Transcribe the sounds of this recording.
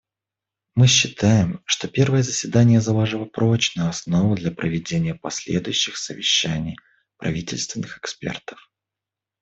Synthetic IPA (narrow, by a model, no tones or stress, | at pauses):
mɨɕːɪt̪ajɪmʂt̪o̞pʲe̞rvəjəzəsʲvʲɪd̪anʲɪjəzɐlˠaʐɨlˠəpɾot͡ɕnəɐsnovʊd̪lʲɐpɾʔəvʲɪdʲenʲɪjəpɐsʲlʲed̪ʊjʉɕːɪxsəvʲɪɕːænʲɪj | pɾʔɐvʲitʲɪlʲst̪vʲɪnːɨxɛ̥kspʲḛrt̪ə̥f